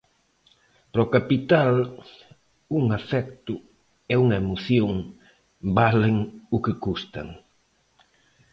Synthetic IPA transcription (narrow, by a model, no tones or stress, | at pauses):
pɾɔkapit̪al | uŋafɛkt̪ʊ | ɛuŋaɐemoθjoŋ | baleŋʊkɪkust̪a̰ŋ